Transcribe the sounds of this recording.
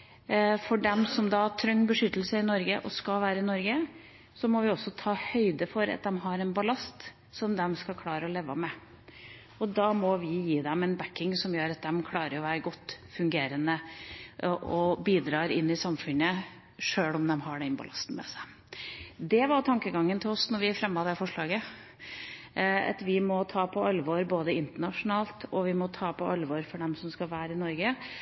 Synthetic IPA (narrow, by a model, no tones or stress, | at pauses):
fɔɖɛmsɔmd̪ɑt̪ʰɾœŋːbəʂʏt̪ːəlsəɪnɔɾɡəʔɔskɑlʋæːɾəɪnɔɾɡə | sɔmɔʋɪɔsːɔt̪ʰɑːhœʏd̪əfɔɾɑ̰t̪̚d̪ɛmɦɑɾɛnbɑlɑst̪ | sɔmd̪ɛmskɑkʰlɑːɾəɔleːʋɑmɛ | ɔd̪ɑmɔʋɪjiːd̪ɛmɛnbækːɪŋsɔmjøːɾɑt̪̚d̪ɛmkʰlɑːɾəɾɔʋæːɾəɡɔt̪ːfʉŋɡeːɾənəʔʔɔbiːd̪ɾɑːɾɪnːɪsɑmfʉnə | ʂøːlɔmd̪ɛmɦɑɖɛɪnpʰɔ̰lɑst̪n̩mɛ̰sæ | d̪ɛʋɑɾt̪ʰɑŋkəɡɑŋːənt̪ʰɪlɔsnɔɾʋɪæfɾɛmːɑd̪ɛfɔʂɭɑːɡə | ɑ̰t̪ʋɪmɔt̪ʰɑːpʰɔɑlʋɔɾboːd̪əɪnt̪əɳɑʂʊnɑːlt̪ɔʋɪmɔt̪ʰɑːpʰɔʔɑlʋɔɾfɔɖɛmsɔmskɑlʋæːɾəɪnɔɾɡə